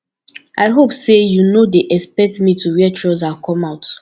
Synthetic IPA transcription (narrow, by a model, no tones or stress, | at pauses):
ʔaɪɦopsejunodeʔɛspɛk̚tmituwɛt͡ʃʰɹɔzakʰɔ̃maʊt